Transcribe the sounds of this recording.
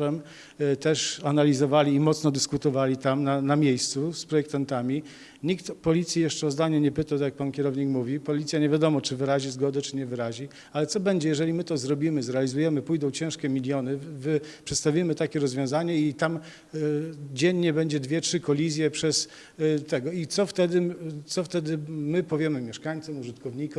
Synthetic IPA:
ɛm | t̪ɛʂanalʲizɔvalʲiːmɔt̪snɔd̪ɘskut̪ɔvalʲit̪amnanamʲjejst̪suspɾɔjɛk̚t̪ant̪amʲi | ɲikt̪pɔlʲit̪sʲjijɛʂt͡ʂɛɔzd̪aɲɛɲɛpɘt̪at̪akjak̚pankʲɛɾɔvɲikmuvʲipɔlʲit̪sʲjaɲevʲjad̪ɔmɔt͡ʂɘvɘɾaʑizɡɔd̪ɛt͡ʂɘɲɛvɘɾaʑi | alɛt̪sɔbɛɲd͡ʑɛjɛʐɛlʲimɘt̪ɔzɾɔbʲimɘzɾɛalʲizujɛmɘpujd̪ɔ̃w̃t͡ɕɛ̃ʂkʲɛmʲilʲjɔnɘvɘpʂɛt̪st̪avʲimɘt̪akʲɛɾɔzvʲjɔ̃w̃zaɲɛit̪am | d͡ʑɛɲːɛbɛɲd͡ʑɛd̪vʲjɛtʂɘkɔlʲizʲjɛpʂɛs | t̪ɛɡɔit̪sɔft̪ɛd̪ɘt̪sɔft̪ɛd̪ɘmɘpɔvʲjɛmɘmʲjɛʂkaɲt̪sɔmuʐɨt̪kɔvɲikɔm

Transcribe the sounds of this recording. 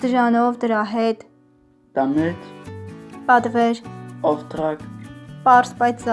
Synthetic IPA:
d̪̥əʒɑnɔvd̪əɾɑɦɛt̪ | t̪ɑmɛt̪ | pɑt̪vɛɾɔft̪ɾɑkpɑɾsbɑjt͡sʰz

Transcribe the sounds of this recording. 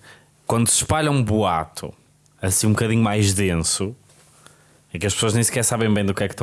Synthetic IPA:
kwɐ̃nd̪usɨ̥ʃpaʎɐ̃ũbuat̪ʰṵ | ɐsĩũbukɐðiɲumajʒðẽsu | ɛ̃kɐʃpsoɐʒnẽj̃skɛɾsaβẽj̃bɐ̃j̃d̪ukɛkt̪ɐ̃

